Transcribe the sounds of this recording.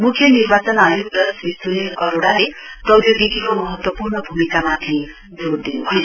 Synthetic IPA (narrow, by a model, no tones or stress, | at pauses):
mukʰjʌniɾbat͡sɔnajuɡd̪ʌsbisunikʌɾoɽalet̪ʌwd̪joɡikikomʌɦʌt̪wʌpurɳʌbʱumikamat̪ʰi | d͡zuɾd̪inuɦʌj